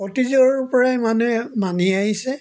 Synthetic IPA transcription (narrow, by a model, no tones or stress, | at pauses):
ɔtizɔɹpɔɹajmanɛmaniaɦisɛ